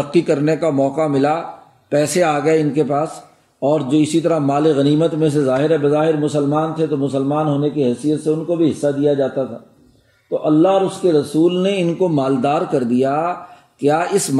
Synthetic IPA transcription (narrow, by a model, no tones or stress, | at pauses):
əqːikɐɾnekamɔːkamɪla | pɛːseaːɡɐeɪnkepaːs | ɔːɾd͡ʒoːɪsit̪ɐɾamaːleɣɐniːmət̪mẽs̬ezaːɦɪɾɦɛbɐzaːɦɪɾmʊsəlmaːnt̪ʰet̪omʊsəlmaːnɦoːnekiɦɛsijət̪seʊnkobʱiɦɪsːad̪ijad͡ʒaːt̪at̪ʰa̰ː | t̪oʔɐlːaɦɾʊskeɾɐsuːlneɪnkomaːld̪aːɾkɐɾd̪ija | kjaːɪsm